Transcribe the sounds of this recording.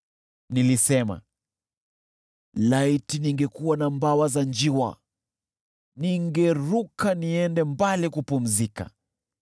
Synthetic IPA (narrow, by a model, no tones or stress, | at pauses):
nilisɛma̰ | laitiniŋɡɛkuwanambawazand͡ʒiwa̰ | niŋɡɛɾukaniɛndɛmbalikupum̩zika̰